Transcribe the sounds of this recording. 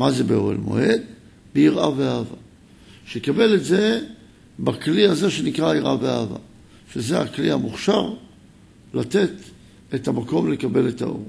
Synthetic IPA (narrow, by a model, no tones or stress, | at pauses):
maze̞beo̰ʁḛlmo̰e̞d̪ | beiʁʔaveaːva̰ | ʃekabe̞letze̞ | bakliaze̞ʃe̞nikʁaiʁʔaveaːva̰ | ʃezea̰klihamuχʃaʁ | late̞t | etamako̞mle̞kabe̞leta̰ʔo̞̰